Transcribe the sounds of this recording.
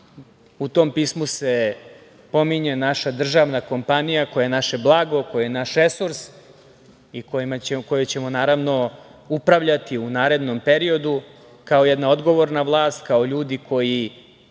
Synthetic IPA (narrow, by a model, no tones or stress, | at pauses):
ut̪ompiːsmuse̞ | po̞miɲenaʃad̪r̩ʒaʋnako̞mpanijako̞jajenaʃeblˠaːɡo̞kojijenaʃɾesuɾs | ikomakojet͡ɕe̞monaːɾaʋno̞upɾaʋʎat̪iunaːɾe̞d̪nompe̞ɾio̞d̪u | kao̞jɛd̪nao̞d̪ɡo̞ʋo̞ɾnaʋlˠaːst̪kao̞ʎuːd̪ikʰo̞ji